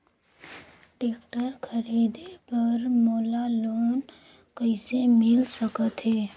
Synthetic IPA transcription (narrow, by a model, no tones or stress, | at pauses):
ʈeːk̚ʈəɾkʰəɾid̪epəɾmoːlaloːn | kəɪsemɪlsəkət̪ɦɛː